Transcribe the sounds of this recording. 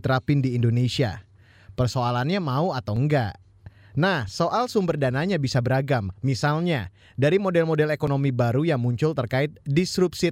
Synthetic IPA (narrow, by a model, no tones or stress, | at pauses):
t̪ɾapɪndiːndonesia̰ | pərsoalanɲamauat̪awəŋɡa̰ʔ | nahsoʔalsumbərdanaɲabisabəɾaɡamːisalɲa | daɾimodɛlmodɛlekonomibaɾujaŋmuɲt͡ʃʊlt̪ərkaɪt̪̚disɾupsi